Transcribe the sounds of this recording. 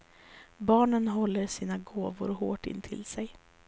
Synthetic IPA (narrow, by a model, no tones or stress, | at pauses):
bɑːɳənɦɔlːəɾʂiːnaɡoːvʊ̰ɾɦoːʈɪ̰nːt̪ʰɪ̰lsɛj